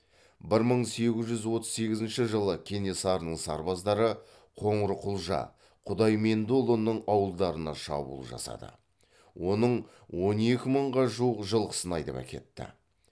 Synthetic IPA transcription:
bɪɾməɴse̞ɡʲɪzʒʏzwo̞t̪ə̥zse̞ɡʲɪzɪnʃɪʒəlˠəkʲʰe̞ne̞sɑɾənəɴsɑɾbɑzd̪ɑɾə | qʰo̞ɴɾəqʰʊlˠʒɑ̰ | qʰʊd̪ɑjme̞nd̪olˠonːəɴɑwəlˠd̪ɑɾənɑʃɑ̰bṵlˠʒɑ̰sɑ̰d̪ə̰ | wʔo̞nəɴ | wo̞ne̞kʲɪməɴʁɑʒuwəqʒəlˠqʰə̥sənɑjd̪epæ̰kʲe̞̰t̪ːɪ̰

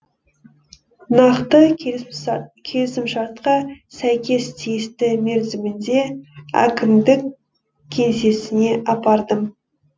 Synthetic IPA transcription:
nɑqt̪ə | kʲʰe̞lɪsɪmʃɑɾt̪qɑsæjkʲe̞st̪ʰijɪst̪ɪmeɾzɪmɪnd̪e̞æ̰kʲɪmd̪ɪkʲ | kʲʰe̞nse̞sɪne̞ʔɑpɑɾd̪əm

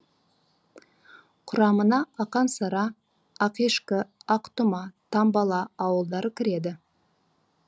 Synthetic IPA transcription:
qʰʊɾɑmənɑɑqɑnsɑɾɑ | ɑqeʃkɪɑqt̪ʊmɑt̪ʰɑmbɑlˠɑɑwəlˠd̪ɑɾəkʲʰɪɾe̞d̪ɪ

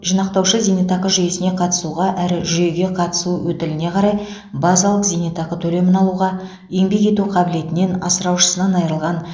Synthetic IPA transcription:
ʒənɑqt̪ɑwʃəzinet̪ɑqəʒʏje̞sɪne̞qʰɑt̪ə̥suʁɑʔæɾɪʒʏje̞ɡʲe̞qʰɑt̪ə̥suwɵt̪ɪlɪne̞qʰɑɾɑj | bɑzɑlˠəqzinet̪ɑqət̪ʰɵle̞mɪnɑlˠuʁɑ | je̞ŋbe̞ke̞t̪uqʰɑbɪle̞t̪ɪne̞nɑsəɾɑwʃə̥sənɑnɑjəɾəlˠʁɑn

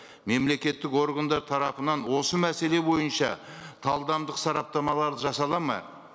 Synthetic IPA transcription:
me̞mle̞kʲe̞t̪ːɪko̞ɾɡand̪ɑɾt̪ʰɑɾɑpənɑnwo̞səmæse̞le̞bo̞jənʃɑ̰t̪ʰɑlˠd̪ɑmd̪əqsɑɾɑp̚t̪ɑmɑlˠɑɾd̪əʒɑsɑlˠɑmɑ̰

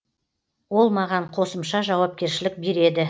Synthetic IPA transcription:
wo̞lˠmɑʁɑɴqʰo̞səmʃɑʒɑwɑp̚kʲe̞ɾʃɪlɪk̚be̞ɾe̞d̪ɪ

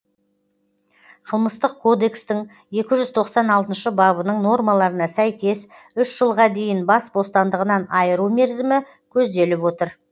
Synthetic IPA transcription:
qʰəlˠməst̪əqkʰːo̞d̪e̞kst̪ɪŋ | je̞kʲɪʒʏzt̪ʰo̞qsɑnɑlˠt̪ənʃəbɑbənəɴno̞rmɑlˠɑɾənɑsæjkʲe̞s | ʏʃʒ̥əlˠʁɑd̪e̞jɪnbɑsbo̞st̪ɑnd̪əʁənɑnɑjəɾume̞ɾzɪmɪ | kʲʰɵzd̪e̞lɪpwo̞t̪əɾ

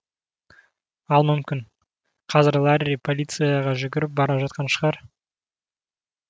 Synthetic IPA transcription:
ɑlˠmʏmkʲɪn | qʰɑzɪɾlˠaɾʲɾʲipʰolʲit̪sɨjaʁɑʒʏɡʲɪɾɪp̚bɑɾɑʒɑt̪qɑnʃəʁɑɾ

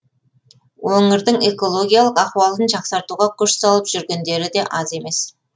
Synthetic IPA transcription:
woŋəɾd̪əɴe̞ko̞lˠo̞ɡʲijalˠəqɑχwɑlˠənʒɑqsɑɾt̪uʁɑkʲʰʏʃsɑlˠəpʒʏɾɡʲe̞nd̪e̞ɾɪd̪e̞ʔɑze̞me̞s

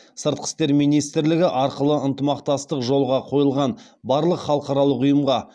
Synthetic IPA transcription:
səɾt̪̚qə̥st̪e̞ɾmijnijst̪ɾlɪɡʲɪʔɑɾqəlˠəənt̪əmɑqt̪ɑst̪əqʒo̞lˠʁɑqʰo̞jəlˠʁɑn | bɑɾlˠəqχɑlˠəqɑɾɑlˠəqʊjəmʁɑ

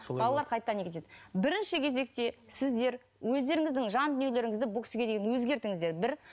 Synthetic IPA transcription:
bɑlˠɑlˠɑɾqʰɑjt̪ːɑnekʰʲet̪ed̪ɪbɪɾɪnʃɪkʲʰe̞ze̞k̚t̪e̞sɪzd̪e̞ɾ | wɵzd̪e̞ɾɪŋɪzd̪ɪŋʒɑnd̪ʏnijele̞ɾɪŋɪzd̪ɪbʊlˠkʰʲʏ̥sɡʲe̞d̪e̞ɡʲenwɵzɡʲe̞ɾt̪ɪŋɪzd̪e̞ɾbɪɾ

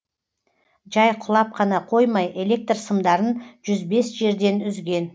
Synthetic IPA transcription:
ʒɑjqʰʊlˠɑp̚qʰɑnɑqʰo̞jmɑjʔe̞lʲe̞k̚t̪rsəmd̪ɑɾənʒ̥ʏzbe̞sʒe̞ɾd̪e̞nʏzɡʲe̞n

